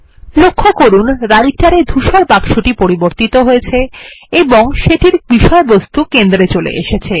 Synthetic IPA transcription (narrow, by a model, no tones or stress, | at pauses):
lokʰːokoɾunɾaɾik̚ʈaɾed̪ʱuʃoɾpakʃuʈipoɾiboɾt̪it̪oɦoet͡ɕʰeeboŋʃeʈiɾbiʃɔebost̪ukend̪ɾet͡ɕolḛʔḛʃet͡ɕʰe